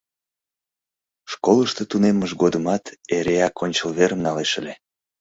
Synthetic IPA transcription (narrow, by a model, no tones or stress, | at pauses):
ʃkoləʃt̪ɤt̪uneməʒɡod̪əmɑt̪eɾeɑkonʲt͡ɕəlβeɾəmnɑleʃəlʲe